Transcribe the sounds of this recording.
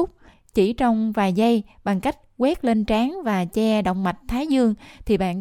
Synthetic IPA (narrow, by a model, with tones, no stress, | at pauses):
ʊ˦˥k͡p̚ | t͡ɕḭ˧˩t͡ɕɔ˧wŋ͡mvaː˨˩jzə˧j | ɓa˨˩ŋka˦˥jk̟̚ɣwɛ˦˥t̚le˧nt͡ɕaː˨˦ŋvaː˨˩t͡ɕɛ˧ɗə̰˧˨wŋ͡mma˨˩jt̟̚t̪ʰaː˨˦jzɨ˧əŋt̪ʰi˨˩ɓa̰ː˧˨n